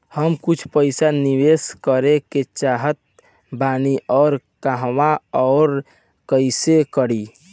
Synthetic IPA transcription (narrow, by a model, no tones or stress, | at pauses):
həmkʊt͡ʃʰpəɪsaniweskəɾeket͡ʃaːɦət̪̚ | baːniʔɔːɾ | kaɦwaɔːɾ | kəɪsekəɽi